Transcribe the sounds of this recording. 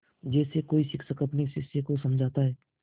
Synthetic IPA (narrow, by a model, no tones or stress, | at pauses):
d͡ʒɛːsekoːisɪkʰsəkɐpnesɪsːekosɐmd͡ʒʱaːt̪aɦɛː